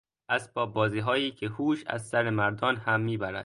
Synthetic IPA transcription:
ʔæzbɒːbɒːziːɦɒːjiːkʰehuːʃæ̰zsæɾemæɾd̪ɒːnhæmːiːbæɾæ̰d̪̥̚

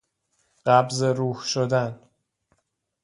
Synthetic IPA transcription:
ɢæbzeɾuːhʃod̪æn

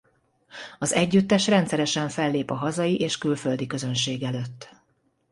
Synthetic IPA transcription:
ɒzɛɟːyt̪ːɛʃrɛnt̪sɛɾɛʃɛɱfɛlːeːpɒɦɒzɒjiʔeːʃkylfø̞ld̪ikø̞zø̞nʃeːɡɛløt̪ː

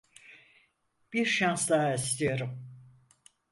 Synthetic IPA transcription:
b̥iɾʃansd̪aɦaist̪ijo̞ɾum

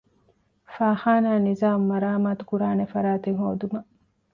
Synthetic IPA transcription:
faːxaːnaːnizaːmmɐɾaːmaːt̪u̥kuɾaːnefɐɾaːt̪eŋho̰ːd̪umɐ

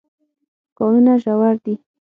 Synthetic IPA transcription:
kɔnunaʒawaɾd̪i

